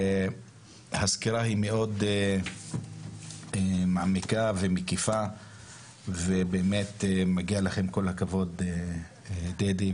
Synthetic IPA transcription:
haskiɾahimeo̞d̪ | emaʕmikave̞mekifa | vebeːme̞t̪emaɡialaχe̞mko̞lhakavo̞d̪e | d̪ed̪i

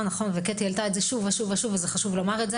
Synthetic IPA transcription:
naχo̞nveket̪jelt̪aetzeʃuvaʃuvaʃuvezeχaʃuvlo̞maʁetze

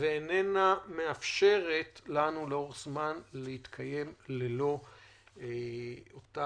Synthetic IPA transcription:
veenename̞afʃe̞ʁe̞tlanuleo̞ʁzmanlehit̪kʰaje̞mlelo̞ | ota

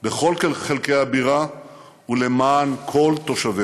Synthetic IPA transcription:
beχo̞lkeχelkejabiʁa | ule̞maːnkʰo̞lt̪o̞ʃavi

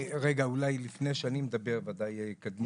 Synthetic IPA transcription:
ʁeɡaulajlifne̞ʃanimed̪abe̞ʁvad̪ajekad̪m

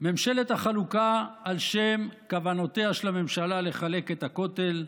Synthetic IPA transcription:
me̞mʃele̞t̪aχalukaːlʃe̞mkavano̞t̪eaʃelame̞mʃalale̞χale̞ket̪ako̞t̪e̞l

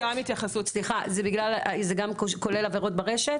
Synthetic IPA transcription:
amit̪jaχasutt͡sliχazebiɡlalzeɡamkko̞lelaveʁo̞t̚baʁe̞ʃet

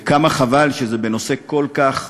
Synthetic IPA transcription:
kamaχavalʃezebeno̞se̞ko̞lkaχ

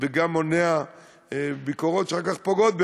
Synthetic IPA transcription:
veɡamonea | bikoʁot̪ʃeχakaχpoɡot̪̚be

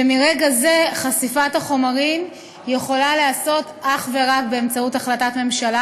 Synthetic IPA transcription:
emiʁeɡaze̞χasifataχo̞maʁim | je̞χo̞laleaso̞t | aχve̞ʁakbe̞ːmt͡sautaχlatatme̞mʃala

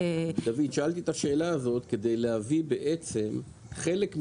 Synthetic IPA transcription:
d̪avid̪ʃaʔalt̪it̪aʃe̞ːlaːzo̞t̪ke̞d̪e̞jlehavibe̞ʔet͡se̞m | χe̞le̞km

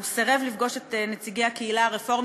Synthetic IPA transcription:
vseʁe̞vlifɡo̞ʃetnet͡siɡejakeilaːʁefo̞ʁ

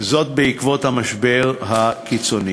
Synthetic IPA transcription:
zo̞t̪̚beikvo̞t̪hamaʃbe̞ʁhakit͡so̞ni

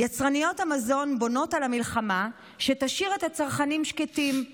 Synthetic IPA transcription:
jat͡sʁanijo̞thamazo̞nbo̞no̞talamilχama | ʃetaʃiʁethat͡saʁχanimʃketim

